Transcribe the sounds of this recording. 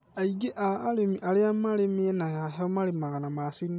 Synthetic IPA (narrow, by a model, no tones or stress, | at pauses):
aiɡeʔaːlemiʔaleamalemienaaɦɔmalemaɣanamasin